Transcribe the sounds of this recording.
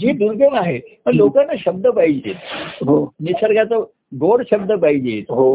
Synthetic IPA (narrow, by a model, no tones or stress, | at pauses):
d͡ʑiːd̪uɾɡʱəŋaɦemə̃lokanːaɕəb̚d̪əpaɦid͡ʑḛːt̪ɦonisʰəɾɡjat͡sə | ɡoɽɕəbd̪əpaid͡ʑet̪ɦo